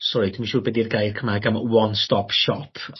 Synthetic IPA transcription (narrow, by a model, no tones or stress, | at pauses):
sɔɾid̥umanʃuːrbɛːdirɡajrkʰəmaɡamwɔnstɔpʰʃɔpʰ